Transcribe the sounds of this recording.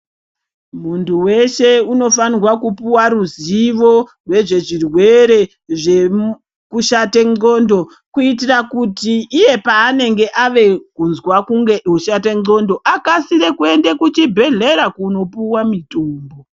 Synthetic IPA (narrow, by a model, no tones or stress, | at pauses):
muntʰuwe̞ʃe̞uno̞fanirwakupuwaɾuziʋo̞ | rwe̞ʐe̞ʐirwe̞ɾe̞ | ʐe | kuʃate̞ŋ͡ǀondo̞ | kuitirakutiːje̞paːne̞ŋɡe̞ʔaʋe̞kunzwakuŋɡeuʃateo̞ndo̞ʔakasiɾe̞kue̞nde̞kut͡ʃibʱe̞ɮe̞ɾakuno̞puwamitoːmbo̞